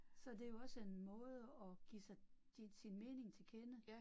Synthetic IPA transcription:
sɒ̽d̥e̝jo̝ɒ̽səenmɔ̽ːð̞ˠəɒ̽ɡ̥isɑ̈ɪ̥ | isinme̝ːne̝ŋt͡sʰe̝lkʰenə

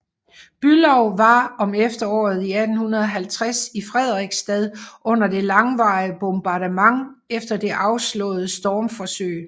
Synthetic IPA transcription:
b̥ylɒʊʋɑ̈ɒ̽mefd̥ɐɒ̰ːð̩ˠiæd̥n̩hunɐðˠɒ̽ɦælt͡sʰʁasifʁɛð̞̰ˠʁiɡ̥sd̥ɛð̞ˠʔɔ̽n̰ɐd̥e̝lɑ̈ŋʋɑ̈ɪəb̥omb̥ɑ̈ɾəmɑ̈ŋ | efd̥ɐd̥e̝ʔɑ̈ʊslɔ̰̽ːð̩ˠsd̥ɒːmfɒsø̰ɪ̰

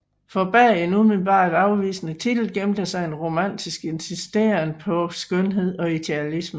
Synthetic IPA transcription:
fɒ̽b̥æɐ̰enumelb̥ɑ̰̈ːd̥ɑ̈ʊʋḭːsnət͡sʰid̥l̩ɡ̥emd̥ɐsɑ̈ɪenʁo̝mæn̰d̥isɡ̥e̝nsisd̥e̝̰ɐnpʰɒ̽sɡ̥œnɦe̝ð̰ˠɒ̽id̥e̝ælismə

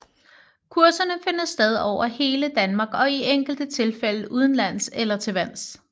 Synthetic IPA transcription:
kʰuɐsɐnəfe̝n̰ɐsːd̥eð̞ˠɒʊ̰ɐhe̝ːləd̥ænmɑ̈ːɡ̥ɒ̽ieŋ̰ɡ̥l̩d̥ət͡sʰe̝lfel̰əʔuð̞ˠn̩læn̰selɐt͡sʰe̝ʋæn̰s

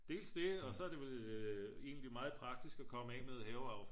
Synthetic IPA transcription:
d̥e̝̰ːlsd̥e̝ɒ̽sɒ̽æɐd̥e̝ʋel | e̝̰ːn̩limɑ̈ːð̞̩ˠpʰʁɑ̈ɡ̥̚d̥isɡ̥ɒkʰɒ̽məɛ̰með̞ˠhɛːʊɑ̈ʊf

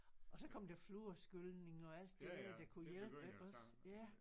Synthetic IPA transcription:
ʔɒ̽sɒ̽kʰɒ̽md̥æfluɐsɡ̥ølne̝ŋɒ̽æl̰d̥ːed̥æd̥ækʰujelb̥əʔɒ̽s | jæ

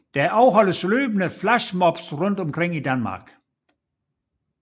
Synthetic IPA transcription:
d̥æʔɑʊɦɒ̽ləsløːbənəflæʃmɒb̥sʁɔn̰d̥ɒmkʰʁeŋ̰id̥ænmɑ̰̈ːɡ̥

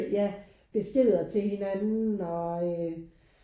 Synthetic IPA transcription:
jæ | b̥e̝sɡ̥eð̰ˠɐt͡sʰe̝lhe̝nænn̩ɒ̽ø

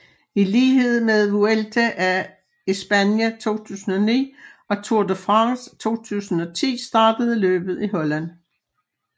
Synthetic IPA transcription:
iliːhe̝ð̰ˠmeðˠʋuelt͡sʰæʔæ | isb̥ænjæt͡sʰo̝̰ːt͡sʰṵːsn̩ɒ̽nḭːɒ̽t͡sʰuɐd̥əfʁɑ̈ŋst͡sʰo̝̰ːt͡sʰṵːsn̩ɒ̽t͡sʰḭːsd̥ɑ̈ːd̥əð̞̩ˠəlø̰ːb̥ð̞̩ˠiɦɒ̽læn

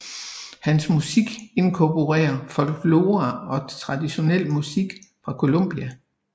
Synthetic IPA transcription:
hænsmusiɡ̥e̝nkʰɒpʰo̝ʁɛ̰ːɐfɒ̽l̰ɡ̥lo̝ːʁɑɒ̽t͡sʰʁɑ̈d̥iɕo̝nel̰musiɡ̥fʁɑ̈kʰo̝lo̽m̰b̥iæ

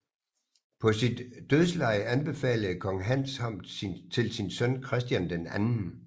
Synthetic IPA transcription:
pʰɒ̽sid̥ːøðˠslɑ̈ɪænb̥e̝fɛ̰ːləð̩ˠkʰɒ̽ŋɦæn̰shɑm̰d̥t͡sʰe̝lsinsœnkʰʁɛsd̥jænd̥enænn̩

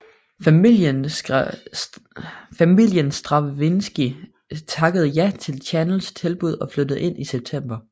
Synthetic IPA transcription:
i | fæmil̰jənsd̥ʁɑ̈ʋʋe̝nsɡ̥i | t͡sʰɑ̈ɡ̥əð̞̩ˠjæt͡sʰe̝lt͡sʰænəl̩st͡sʰe̝lb̥uð̞̰ˠɒ̽flød̥əð̩ˠe̝n̰iseb̥̚t͡sʰem̰b̥ɐ

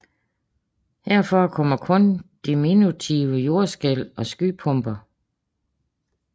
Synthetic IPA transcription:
hæɐ̰fɒkʰɒ̽m̰ɐkʰɔ̽nd̥iminut͡sʰiːʊəjo̝ɐsɡ̥elɒ̽sɡ̥yːpʰɔ̽mb̥ɐ

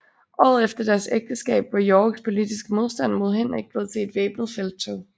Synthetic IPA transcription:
ʔɒ̰ːð̩ˠefd̥ɐd̥æɐseɡ̥̚d̥əsɡ̥ɛ̰ːb̥ʋɑ̈jɒːɡ̥spʰo̝lid̥isɡ̥əmo̝ð̞ˠsd̥æn̰mo̝ð̞ˠɦen̰ʁeɡ̥̚b̥leð̩ˠsʰe̝̰ːd̥ʋḛːb̥nð̩ˠfel̰d̥̚t͡sʰoʊ

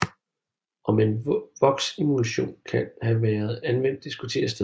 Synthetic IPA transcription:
ʔɒ̽menʋɒ̽ɡ̥simulæɕo̝̰ːnkʰænhæʋæːɐð̞̩ˠænʋen̰d̥isɡ̥ut͡sʰe̝̰ːɐsd̥e

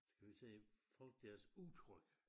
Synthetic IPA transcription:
sɡ̥ʰæʋit͡sʰefɒ̽l̰ɡ̥̚d̥æɐsut͡sʰʁœɡ̥

